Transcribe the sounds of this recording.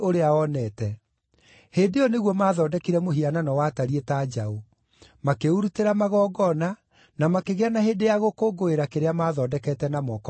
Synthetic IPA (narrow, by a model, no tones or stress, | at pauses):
oɾeaɔnɛtɛ | heːdejɔneɣwɔmaːðɔːdɛkiɾɛmoɦiananɔwataɾietaːd͡ʒao | makeuɾuteɾamaɣɔːɡɔna | namakeɣeanaheːdejaɣokoɡoeɾakeɾeamaːðɔdɛkɛtɛnamɔk